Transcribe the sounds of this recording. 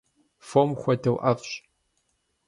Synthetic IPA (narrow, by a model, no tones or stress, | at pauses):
fomxʷɐdɐwʔɐfɕ